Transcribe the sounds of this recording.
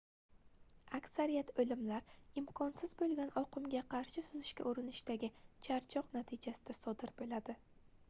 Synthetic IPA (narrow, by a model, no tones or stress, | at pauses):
akʲsaɾijat̪ɵlɪmlaɾɪmkʰɒnsɪzbolˠɡʲanɒqɨmɡʲaqʰɑɾʃɪsʊzɪʃkʲa̰ʔoɾɪnɪʃd̪aɡʲɪt͡ʃʰaɾt͡ʃʰɒqnat̪ʰɪd͡ʒasɪd̪asɒd̪ɪɾbelad̪ɪ